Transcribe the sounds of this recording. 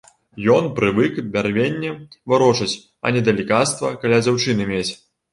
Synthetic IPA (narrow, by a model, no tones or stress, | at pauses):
jɔnpɾɨvɨkbʲarvʲenʲːɛvaɾɔt͡ʂɐt͡sʲ | ɐ̰nʲɛd̪ɐlʲikat̪st̪vɐ̰kalʲad͡zʲawt͡ʂɨnɨmʲet͡sʲ